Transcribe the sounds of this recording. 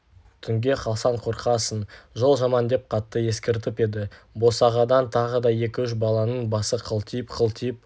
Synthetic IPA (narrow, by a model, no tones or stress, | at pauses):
t̪ʰʏŋɡʲe̞qʰɑlˠsɑɴqʰo̞ɾqʰɑsənʒolˠʒɑmɑnd̪e̞p̚qʰɑt̪ːəje̞skʲeɾt̪̬ɪpe̞d̪ɪbo̞sɑʁɑd̪ɑnt̪ʰɑʁəd̪ɑje̞kʲɪʏʃ̬bɑlˠɑnəɴbɑsəqʰəlˠt̪ʰijəpqʰəlˠt̪ʰijəp̚